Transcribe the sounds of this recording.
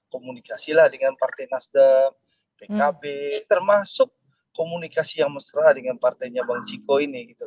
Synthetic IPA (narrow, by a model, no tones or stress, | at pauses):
komunikasilahdəŋanpart̪ajnasdəm | pekabet̪ərmasʊkː | omunikasijaŋməst̪ɾadəŋanpart̪ajɲabaŋt͡ʃikoiniɡit̪u